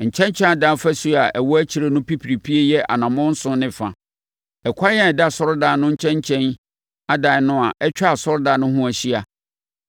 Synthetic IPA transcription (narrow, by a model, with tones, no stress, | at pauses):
ɲ̩˨t͡ɕʰɛ̃˦ɲ˦t͡ɕʰɛ̃˦a˦da˨˦fæ˦su˦a˨ʔɛ˨wɔ˦æ˦t͡ɕʰi˨ɾe˦nʊ̃˦pi˦pʰi˨ɾi˨pʰi˦e˦jɛ˦ʔa̰˨nã˨mʊ̃˦n̩˦sʊ̃˦nɪ̃˦fã˨ | ɛ˨kʰʷa˦jɛ˦ɛ˨da˦˨sɔ˦ɾdaː˨˦nʊ̃˦ɲ̩˦t͡ɕʰɛ̃˦ɲ˦t͡ɕʰɛ̃˦n | a˦da˨˦nʊ̃˦a˨ʔɛ˦t͡ɕᶣa˦a˨sɔ˦ɾdaː˨˦nʊ̃˦ɦʊ̃˦æ˨ɕi˦a˨